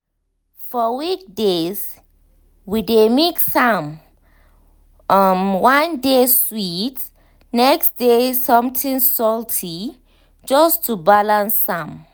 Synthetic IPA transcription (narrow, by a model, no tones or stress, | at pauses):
fɔwik̚dez | widemeksam | mwãndeswit | nɛksdesɔ̃mtʰĩŋsɔltʰi | d͡ʒʌstʰubalãnsːãm